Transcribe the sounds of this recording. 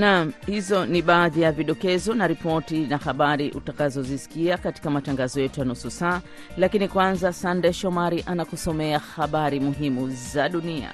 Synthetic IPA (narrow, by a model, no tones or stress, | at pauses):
nam̩hizɔniɓaːðijaviɗɔkɛzɔnaɾipɔtinahaɓaɾiʔṵtakazɔzisi̥kiakati̥kamataŋɡazɔjɛtujanususaː | lakinikwanzasandɛʃɔmaɾiʔanakusɔmɛahaɓaɾimuɦimuzaɗunia̰